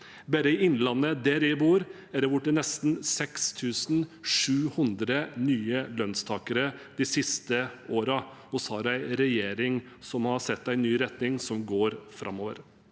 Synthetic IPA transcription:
bæɾəɪɪnːlɑnːəd̪æɾæbuːɾ | æɖɛʋʊʈːənɛst̪n̩sɛkst̪ʰʉːsn̩ʂʉːhʉnd̪ɾənyːəlœnst̪ʰɑːkəɾəd̪̥ɪsɪst̪əoːɾɑhɔshɑɾæɪɾɛjeːɾɪŋ | sɔmhɑɾsɛt̪ːæɪnyːɾɛt̪nɪŋsɔmɡoːɾfɾʔɑ̰mːoːʋə̰ɾ

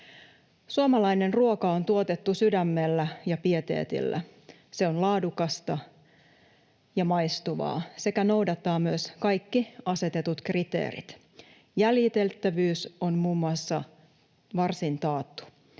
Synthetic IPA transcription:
suomɑlɑjne̞nruokɑont̪uot̪et̪ːusydæmːe̞lːæjɑpiet̪e̞̰ːt̪ḭlːæ̰ | se̞o̞nlɑːdukɑst̪ɑ | jɑmɑjst̪uʋɑ̰ːse̞kæno̞wdɑt̪ːɑːmyøskɑjkːiɑse̞t̪et̪ut̪krit̪ḛːɾḭt̪ | jæljit̪e̞lt̪ːæʋyːso̞nmuːmːuɑsːɑ | ʋɑrsint̪ɑːt̪ːu̥

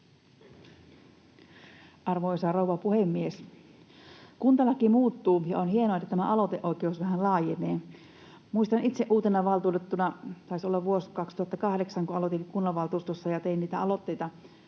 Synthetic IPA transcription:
ʔɑrʋojsɑrowʋɑpuhemːies | kunt̪ɑlɑkimuːt̪ːuːjɑonhienoet̪ːæt̪æmæʔɑlot̪eʔo̞ikeusʋæhænlɑːjeneː | muist̪ɑnit̪seʔuːt̪enɑʋɑlt̪uːt̪et̪ːunɑt̪ɑisolːɑʋʋuoskɑkst̪uhɑt̪ːɑkɑhdeksɑŋkuɑlot̪inkunːɑʋɑlt̪uːst̪osːɑjɑt̪einniːt̪æɑlo̞t̪ːe̞jt̪ɑ

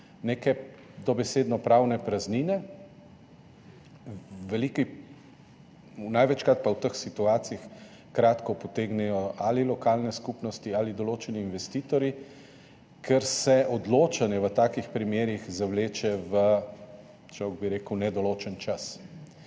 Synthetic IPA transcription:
neːkɛ | d̪ɔbɛseːd̪nɔpɾawnɛpɾazniːnɛ | ʋɛliki | unajʋɛt͡ʃkɾat̪̚pawt̪əxsit̪uaːt̪siix | kɾaːt̪kɔpɔt̪eːɡnɛjɔalilɔkaːlnɛskupnɔst̪ialid̪ɔloːt͡ʃɛniːnʋɛst̪iːt̪ɔɾji | kʰɛɾsɛʔɔd̪loːt͡ʃanjɛʋət̪aːkixpɾimjeːɾixzawleːt͡ʃɛʋə | t͡ʃɔwɡ̚biɾeːkəwnɛd̪ɔloːt͡ʃənt͡ʃas

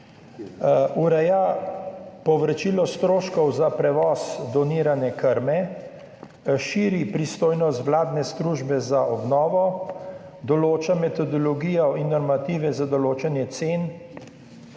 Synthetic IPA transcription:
uɾɛja | pɔʋɾɛt͡ʃiːlɔst̪ɾoːʃkɔwzapɾɛʋɔːsd̪ɔniːɾanɛkəɾmɛ | ʃiːɾipɾist̪oːjnɔst̪ʋlaːd̪nɛst̪ɾuːʒbɛzaʔɔbnɔːʋɔ | d̪ɔloːt͡ʃamɛt̪ɔd̪ɔlɔɡiːjɔinːɔɾmat̪iːʋɛzad̪ɔloːt͡ʃanjɛt̪seːn

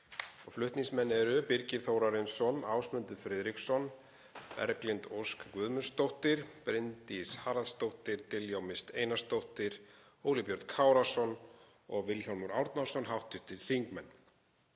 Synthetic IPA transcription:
ɔflʏht̪niŋsmɛnːɛɾʏpɪɾcɪθowɾaɾɪnsɔnaːwsmʏnt̪ʏfɾɪðɾiksɔn | pɛ̰ɾklɪnt̪owskkvʏːðmʏnst̪owht̪ɪɾ̥pɾɪnt̪ishaːɾaðst̪owht̪ɪɾ̥t̪ɪljawmɪst̪eːjnast̪owht̪ɪɾ | oːwlɪpjœɾt̪kʰaːwɾasɔn | ɔɣvɪlçɔnmuɾawɾt̪nasɔnɦawht̪ːʏht̪ɪɾ̥θiŋkmɛnː

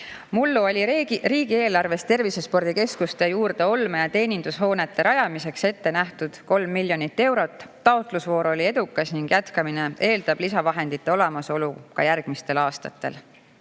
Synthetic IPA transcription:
mulːuolʲiriːɡ̥ie̞ːlɑrve̞st̪e̞rvise̞spo̞rd̪̥ike̞skust̪e̞juːrd̪e̞o̞lmɑjɑt̪e̞ːnind̪̥usɦo̞ːne̞t̪ːe̞ɾɑjɑmise̞kse̞t̪ːe̞næht̪ud̪̥ko̞lmːilʲjo̞nit̪ːe̞wɾo̞t̪ˑːɑot̪ˑlusvo̞ːɾo̞lʲie̞d̪ukːˑɑsniŋɡ̥jæt̪kɑmine̞e̞ːld̪̥ɑb̥lisɑvɑɦe̞nd̪̥it̪ːˑeo̞lemɑso̞lukɑ̰jærɡ̥mist̪e̞lɑːst̪ɑt̪ːˑe̞̰l

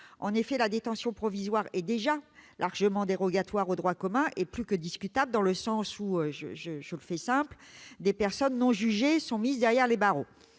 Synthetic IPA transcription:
ɑ̃nefɛlad̪et̪ɑ̃sjɔ̃pχɔvizwaʁɛd̪eʒalʔaʁʒəmɑ̃d̪eʁɔɡat̪waʁod̪ʁwakɔmɛ̃ʔeplykəd̪iskʲyt̪abləd̪ɑ̃ləsɑ̃suøʒəʒəʒələfɛsɛ̃pld̪epɛʁsɔnːɔ̃ʒyʒesɔ̃mizd̪ɛʁjɛʁlebaʁo

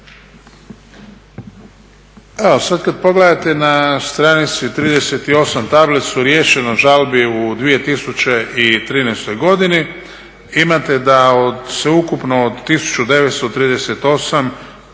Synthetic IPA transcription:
eosad̪kad̪po̞ɡled̪at̪e̞nast̪ɾanit̪sit̪ɾiːd̪eset̪io̞samt̪ablet̪suɾje̞ːʃe̞noʒalbiud̪ʋije̞t̪isut͡ɕeʔit̪ɾiːnɛjst̪o̞jɡo̞d̪ini | imat̪e̞d̪aod̪seukupno̞ːd̪t̪ːisu̥t͡ʃud̪e̞ʋet̪st̪ot̪ɾiːd̪eset̪o̞sam

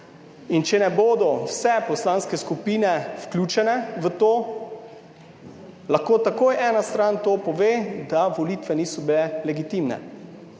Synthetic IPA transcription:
int͡ʃɛnɛboːd̪ɔwsɛpɔslaːnskɛskupiːnɛfklʲuːt͡ʃɛnɛʋət̪oː | laxkoːt̪akoːjʔɛːnast̪ɾant̪oːpɔʋeːd̪aʋɔliːt̪ʋɛniːsɔbilɛlɛɡit̪imnɛ̰

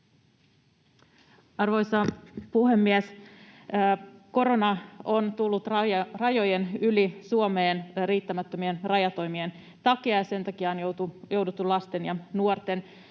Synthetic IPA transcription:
ɑrʋo̞jsɑpuhe̞mːies | ko̞ɾo̞nɑont̪ulːut̪rɑjrɑjo̞jenylisuomeːnriːt̪ːæmæt̪ːømienrɑjɑt̪o̞jmien | t̪ɑkiɑjɑse̞nt̪ɑkiɑnjot̪ujo̞wdut̪ːulɑst̪enjɑnuort̪e̞n

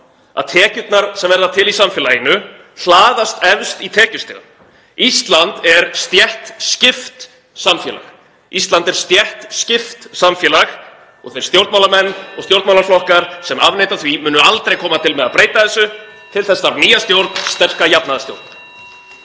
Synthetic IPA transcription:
a̰ðt̪ʰɛːcʏt̪naɾ̥sɛmvɛɾðat̪ʰɪlisamfjɛlajɪnːʏ | hlaːðast̪ɛvst̪it̪ʰɛːcʏst̪ɪ̰ːɣa̰ | ist̪lant̪ɛɾst̪jɛht̪scɪft̪ | samfjɛ̰ːla̰x | ist̪lant̪ɛɾ̥st̪jɛht̪scɪft̪samfjɛːlax | ɔ̰ɣθejɾst̪jowɾt̪mawlaɾmɛnːɔɣst̪jowɾt̪mawlaɾflɔhkaɾ̥sɛmavnejt̪aθvimʏːnʏalt̪ɾejkʰɔːmat̪ʰɪlmɛðaðpɾeːjt̪aθɛsːʏ | t̪ʰɪlθɛsːaɾniːjast̪jowɾt̪nst̪ɛr̥kajapnaðasjo̰wɾt̪na

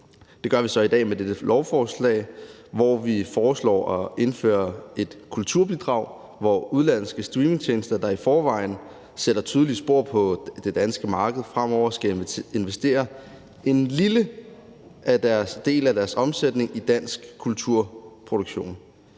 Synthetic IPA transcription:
d̥e̝ɡ̥ɶɐʋisɒ̽id̥ɛ̰ːmed̥ed̥əlʔɒʊfɒːslɛ̰ːɪʋɒʋifɒːslɒ̰ːɒ̽e̝nfø̰ːɐe̝d̥kʰult͡sʰuɐ̰b̥id̥ʁɑ̈ʊ̰ | ʋɒuð̞ˠlæn̰sɡ̥əsd̥ʁiːme̝ŋt͡ɕʰeːnsd̥ɐd̥ɑ̈ifɒːʋɑ̈ɪn̩ | seɾ̥ɐt͡sʰyð̞ˠlisb̥o̝ɐ̰pʰɒ̽d̥e̝d̥ænsɡ̥əmɑ̈ːɡ̥əð̩ˠfʁam̰ɒʊɐsɡ̥æe̝nʋesd̥e̝̰ːɐ | e̝nlilə | ʔæd̥æɐsd̥e̝̰ːlæd̥æɐsɒ̽msed̥ne̝ŋid̥æn̰sɡ̥kʰult͡sʰuɐ̰pʰʁoɾ̥oɡ̥ɕo̝̰ːn

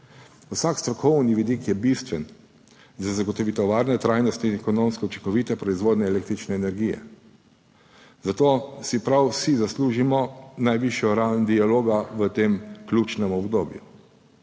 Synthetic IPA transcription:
wsakst̪ɾɔkʰɔwniʋid̪ikjɛbist̪ʋɛn | zazaɡɔt̪ɔʋit̪ɔʋaːɾnɛt̪ɾajnɔst̪iinɛkɔnomskɛwt͡ʃi̥ŋkɔʋit̪ɛpɾɔizʋoːd̪nɛɛːleːkt̪ɾit͡ʃnɛːnɛɾɡiːjɛ̰ | zat̪oːsipɾawsizasluːʒimɔnajʋiʃjɔɾawnd̪ialoːɡaʋət̪emklʲuːt͡ʃnɛmɔbd̪oːbju

